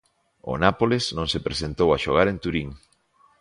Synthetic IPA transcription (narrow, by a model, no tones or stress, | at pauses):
ʊ̰napolesnõŋsepɾesent̪owaʃoɣaɾent̪uɾiŋ